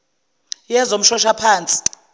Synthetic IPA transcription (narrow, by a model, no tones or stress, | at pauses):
jɛzom̩ʃɔʃapʰaːnt͡sʼi̥